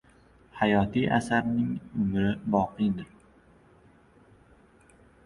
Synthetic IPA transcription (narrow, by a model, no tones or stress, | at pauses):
hajɒːt̪ʰijʔa̰saɾnɪŋʊmɾɪbɒːqɨjd̪ɪɾ